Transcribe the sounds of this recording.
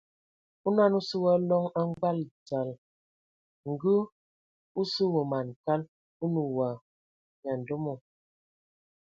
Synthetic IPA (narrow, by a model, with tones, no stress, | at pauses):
u˦na˦nu˦sə˦wa˦lɔ˦ŋa˦ŋ˦ɡa˦lt͡sa˨l | ŋ̩˨ɡu˦ | u˦sə˦wə˨ma˨n˨ka˦l | u˦nu˨wa˨ | ɲ˨a˨n̩˨do˦mɔ˨